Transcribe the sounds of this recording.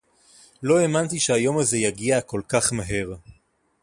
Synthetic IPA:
lo̞e̞mant̪iʃehajo̞maze̞jaɡiako̞lkaχmaɦe̞ʁ

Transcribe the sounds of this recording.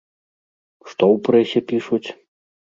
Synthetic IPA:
ʂt̪ɔwpɾɛsʲɛpʲiʂut͡sʲ

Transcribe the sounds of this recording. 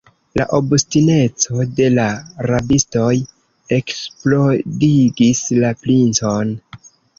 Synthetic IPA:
la̰ʔo̞bustine̞t͡so̞de̞laɾabisto̞j | e̞ksplo̞diɡislaplint͡so̞n

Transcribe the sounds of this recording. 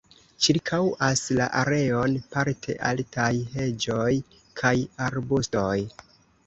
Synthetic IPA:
t͡ʃiɾkʰawasla̰ʔaɾe̞o̞npaɾtʰe̞̰ʔaltʰajɦe̞d͡ʒo̞j | kʰajaɾbustoj

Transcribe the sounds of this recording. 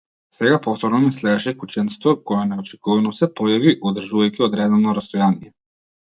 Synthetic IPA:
sɛɡapɔft̪ɔɾnɔnɛslɛd̪ɛʃɛkut͡ʃɛnst̪vɔkɔjɛnɛɔt͡ʃɛ̥kuvɛnɔsɛpɔjaviʔɔd̪r̩ʒuvajkiɔd̪ɾɛd̪ɔvnɔɾast̪ɔjanijɛ

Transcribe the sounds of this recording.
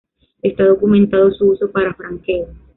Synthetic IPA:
e̞st̪aðo̞kumẽ̞nt̪aðo̞suuso̞paɾafɾaŋkeo

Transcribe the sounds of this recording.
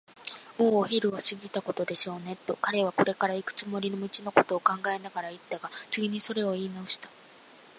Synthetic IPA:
o̞ːçʲiɾɯ̟oɕɨɡʲit̪ako̞t̪o̞d̪e̞ɕo̞ːne̞t̪ːo̞kaɾe̞β̞ako̞ɾe̞kaɾaikɯ̥t͡sɨmo̞ɾʲinomit͡ɕino̞ko̞t̪o̞ːkãŋɡae̞naɡaɾait̪ːaɡat͡sɨɡʲiɲ̟iso̞ɾe̞o̞iːnaoɕi̥t̪ḁ

